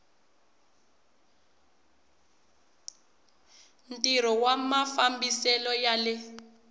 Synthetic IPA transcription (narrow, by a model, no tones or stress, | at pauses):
ntʼiɾ̤ɔwamafambisɛlɔjalɪ